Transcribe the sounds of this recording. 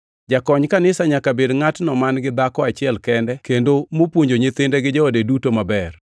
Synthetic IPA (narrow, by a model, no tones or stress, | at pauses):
d͡ʒakɔɲkanɪsaɲakabedŋatnɔmanɡɪd̪akɔat͡ʃɪɛlkɛndɛkendomopwoɲd͡ʒoɲet̪ɪndeɡɪd͡ʒaodedutomabɛr